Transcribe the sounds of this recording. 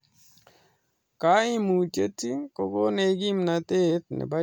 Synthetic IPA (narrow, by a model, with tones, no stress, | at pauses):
ka˦ɪ˦mu˨t͡ʃe˦tːi˦ko˦ɡo˦ne˨˦ɡi˦mna˨t̪e˦t̪̚nɛ̰˨ba˦